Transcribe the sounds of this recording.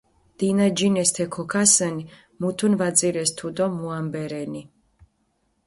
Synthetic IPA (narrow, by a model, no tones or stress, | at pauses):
d̪̥inad͡ʒinɛst̪ʰɛkʰɔkʰasɛni | mut̪ʰunvad̪ziɾɛst̪ʰud̪ɔmuambɛɾɛni